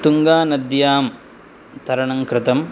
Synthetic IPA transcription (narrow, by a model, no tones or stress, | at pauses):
t̪uŋɡaːnɐd̪jaːm | t̪ʰɐɾɐɳɐŋkɾɪt̪ɐm